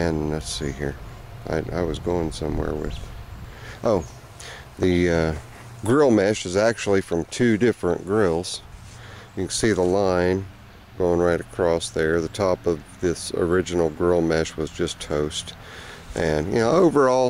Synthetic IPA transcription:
ɨ̃nlætsihḭɹ | a̰ɪa̰ɪwʌzɡoʊɪ̃ŋsʌ̃mwɛ̰ɹwɪ̰ð̥ | ʔoʊ | ðɨʌ | ɡ̥ɹɪlˠmæʃɨzæk̚t͡ʃul̩ˠifɹʌ̃mtʰʉdɪfɹɨ̰̃nɡ̥ɹɪlˠz̥ | jɨksiðəlãɪ̃n | ɡ̥oʊɪ̃ŋɹaɪɾɨkʰɹ̥ɔsðə˞ðɨtʰɔpʌvðɪsə̰˞ɪd͡ʒɨn̩l̩ˠɡɹɜlˠmæʃwʌzd͡ʒʌstʰoʊst | ʔɨ̃njɨ̰noʊoʊvə˞ɔlˠ

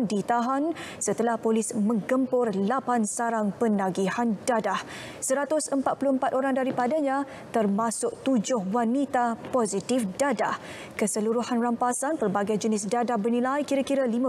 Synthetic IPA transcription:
dit̪aɦansət̪əlahpolɪsmə̃ŋɡəmpʊrlapansaɾaŋpənaɡihandadah | səɾat̪ʊsəmpat̪̚puluəmpat̪̚oɾaŋdaɾipadaɲã | t̪ərmasʊk̚t̪ud͡ʒʊhwanit̪apɔzit̪ɪfdadah | kəsəluɾuhanrampasanpərbaɡajd͡ʒənɪsdadahbərnĩlajkiɾakiɾalimã

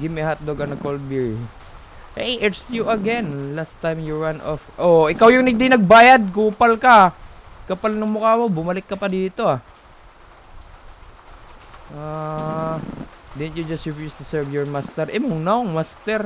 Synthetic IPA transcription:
ɡɪmɛhat̪̚d̪oɡɐnɐkol̚biɹ | hɛjʔɛsjuɐɡɛnlast̪ːajmjʊɹanʔɔfʔoʔɪkawjʊŋnɐɡ̚d̪inɐɡ̚baːjɐd̪̚kuːpɐlkɐkɐpalnɐŋmʊkaːmobʊmɐlɪkːɐpɐd̪iːt̪o̞a | ʔa | d̪ɛnt̪jud͡ʒɐst̪hɪfjust̪usɛɹvjɔɹmast̪ɛɹʔɛmuŋnaŋmast̪ɛɾ

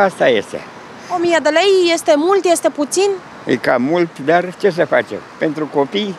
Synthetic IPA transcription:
ast̪ajḛst̪ḛ | omijad̪əlejjest̪emult̪jest̪e̞put̪sin | ə̰kamult̪d̪art͡ʃe̞s̬əfat͡ʃḛmpe̞nt̪ɾukopij

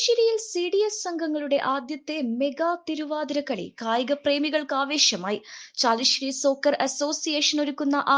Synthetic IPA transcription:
ɾijilsiːɽijesːɐŋɡʱɐŋːɐɭuɽe̞ʔaːd̪jɐt̪ːe̞me̞ɡaːt̪iɾuʋaːd̪ɐɾɐkːɐɭḭkaːjiɣɐpre̞ːmiɣɐɭkɨaːʋe̞ːɕjɐmaːjit͡ɕaːliɕɾiso̞ːkːɐrɐso̞ːsijeːʂɐnoɾukːunːɐʔa

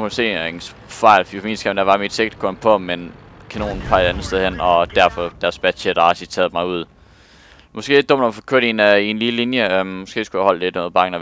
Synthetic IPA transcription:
mose̝̰ːens | fɑ̈ɪ̰lfifmḭːnsɡ̥æmnd̥æʋɑ̈mid̥seɡ̥̚d̥̚kʰɔnpʰɒ̽menkʰæno̝̰ːnpʰɑ̈ɪe̥ænð̩ˠsd̥eðˠhen̰ɒ̽d̥æɐfɒ̽d̥æɐsb̥æd̥ɕeɾ̥ɑ̈si̥t͡sʰɛːð̞̩ˠmɑ̈ɪuð̞̰ˠ | mɒ̽sɡ̥e̝̰ːed̥ɔ̽m̰d̥ɒmfɒkʰøɐ̰ɾininlillinjəmɒsɡ̥e̝̰ːsɡ̥ujæhɒ̽l̰d̥led̥meðˠb̥ɑ̈ŋnə

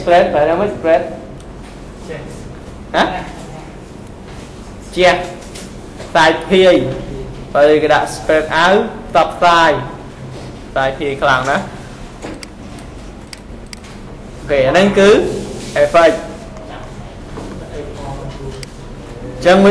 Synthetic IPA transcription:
sprɛt̪̚pʰəaməsprɛt̪̚ | ha | t͡ɕɛ̆əh | saːjpʰiəjpalkəɗa̰ʔsprɛːt̪̚ʔawt̪ɑp̚ʰːt̪aːj | t̪aːjpʰiəjkʰlaŋna | ʔokʰeːanɨŋkɨːʔefəc̚ | t͡ɕəŋm

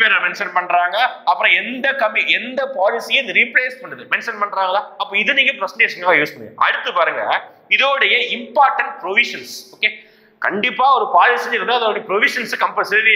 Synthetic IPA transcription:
meːɾãːmɛnʂɐnpɐɳɾaːŋɡɐɐpːɯɾɔ̃ɛnd̪ɐkɐmːiɛnd̪ɐpaːlɪsijeɪnd̪ɯɾɪpleːspɐɳːɐðɯmɛnʂɐnpɐɳːɾaːŋɐlaːɐpːoːɪðɯniːŋɡɐpɾɐsɳʈeːʂɐŋɐajoːsɯmŋɡɐ̰ʔɐ̰ɽɯt̪ːɯpaːɾɯŋɡɐ | ɪðoːɽɐjɐɪmpaːɾʈɐɳʈ̚pɾoʋɪʂɐnsoːkeː | kɐɳɖɪpːaːɔɾɯpaːlɪsɪɪɾɯnd̪aːɐðoːɽɐjɐpɾɔʋɪʂɐnskɐmpɐsɪʈi

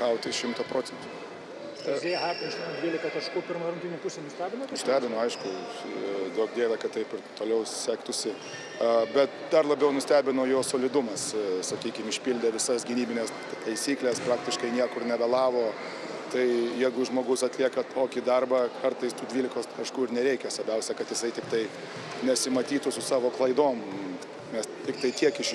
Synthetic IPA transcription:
kɐʊt̪ʲɪʃʲɪmt̪ɐpɾoːt͡sʲɛnt̪u̥ | zʲeːjɦɑːkʲʃʲʊd̪ʲʋʲiːlʲɪkɐt̪ɐʃkuːpʲɪɾmɐɾʊnʲt̪ʲinʲʊpʊsʲenʊsʲt̪ʲæːbʲɪnost̪ʲæːbʲɪnoːɐɪʃkʊ | d̪oːk̚d̪ʲeːt̪ɐkɐt̚t̪ːɐɪpɪrt̪oːlʲɛʊsʲæːkt̪ʊsʲɪ | ɐbʲɛt̪d̪ɐrlˠɐbʲɛʊnʊsʲt̪ʲæːbʲɪnoːjoːsoːlʲɪd̪ʊmɐssɐkʲiːkʲɪmɪʃʲpʲilʲd̪ʲɛʋʲɪsɐsɡʲɪnʲiːbʲɪnʲeːs | t̪ɐɪsʲiːklʲɛspɾɑːk̚t̪ʲɪʃkɐɪnʲiɛkʊɾnʲɛbʲɛlˠɑːʋoː | t̪ɐɪjɛɪɡʊʒmoːɡʊsɐt̪ʲlʲiɛkɐt̪ʰoːkʲid̪ɐrbɑkʰɐrt̪ɐɪst̪uːd̪ʲʋʲiːlʲɪkoːskɐʃkuːɪrnʲɛɾʲɛɪkʲɛsɐɾbʲɛʊsʲɛkɐt̪jɪsɐɪt̪ʲɪkt̪ɐɪ | nʲɛsʲɪmɐt̪ʲiːt̪ʊsʊsɑːʋoːklˠɐɪd̪oːm | nʲɛst̪ʲɪkt̪ɐɪt̪ʲiɛkɪʃ

